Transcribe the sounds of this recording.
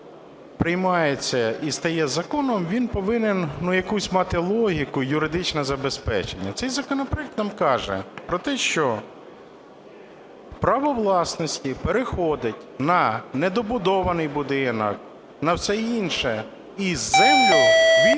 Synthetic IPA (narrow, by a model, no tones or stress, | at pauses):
pɾɪjmɑjet͡sʲːɐist̪ɐjɛzɐkɔnɔmʋʲinpɔʋɪnɪnnujɐkusʲmɑt̪ɪlˠɔɦʲikʊjʊɾɪd̪ɪt͡ʃnɛzɐbespɛ̰t͡ʃenʲːɐt̪sɛjzɐkɔnɔpɾɔɛk̚t̪nɑmkɑʒɛ̰pɾɔt̪ɛʃt͡ʃɔ | pɾɐʋɔʋlˠɑsnɔsʲtʲipeɾɪxɔd̪ɪtʲnɐned̪ɔbʊd̪ɔʋɐnɪjbʊd̪ɪnɐ̰k̚ | nɐwsɛinʃɛ | izɛmlʲɔʋʲi